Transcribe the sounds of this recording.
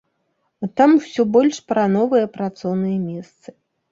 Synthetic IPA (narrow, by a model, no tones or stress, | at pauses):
t̪amwsʲɔbɔlʲʂpɾanɔvɨjɐpɾat̪sɔwnɨjɐmʲɛst̪sɨ̥